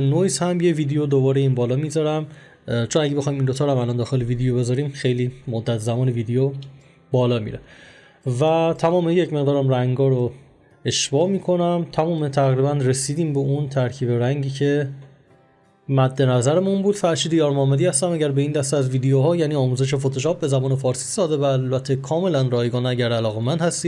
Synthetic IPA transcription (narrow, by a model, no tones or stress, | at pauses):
noiːshæmjeviːd̪ejod̪obɒːɾeiːnbɒːlɒmizɒɾæm | t͡ʃʰo̞næɟee̞xɒjimind̪o̞t̪ʰɒːɾæmælɒːnd̪ɒːxe̞leviːd̪ejobe̞zɒɾiːmxe̞jliːmod̪ːæt̪zæmɒːneviːd̪ejo | bɒːlɒːmḭːɾe | væt̪ʰæmɒːmejecme̞ɣd̪ɒːɾæmræŋɡɒːɾo | e̞ʃbɒːmiːkʰo̞næmt̪ʰæmɔːmet̪ʰæɣɾiːbænre̞siːd̪iːmbeunt̪ʰæɾcʰiːbe̞ɾæŋɟiːcʰe̞ | mæd̪ːe̞næzæɾemunbuːd̪̥fæɾʃiːd̪ejɒːɾmɒːmæd̪iːhæst̪æmæɟæɾbe̞iːnd̪æst̪eæzviːd̪ejoɦɒːjæːniːɒːmuːze̞ʃ̬efot̪ʰoʃɒːp̚be̞zæmɒːne̞fɒːɾsi̥ːsɒːd̪evæːlbæt̪ʰːekʰɒːme̞lænrɒːjeɡɒːnæɟæɾælɒːɣe̞mænd̪hæst̪iː